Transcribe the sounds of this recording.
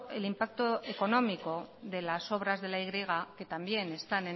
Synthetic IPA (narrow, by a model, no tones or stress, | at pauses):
e̞limpak̚t̪o̞e̞ko̞no̞miko̞ðe̞laso̞β̞ɾazðe̞laiɣɾiɣ̞ake̞t̪ambje̞ne̞st̪ane